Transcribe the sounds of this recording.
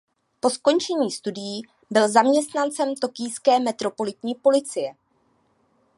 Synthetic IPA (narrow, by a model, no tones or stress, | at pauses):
po̞sko̞nt͡ʃɛɲiːst̪udɪjiː | bɪlzamɲɛst̪nant͡sɛmt̪o̞kɪjskɛːmɛt̪ɾo̞po̞lɪt̪ɲiːpo̞lɪt͡sɪjɛ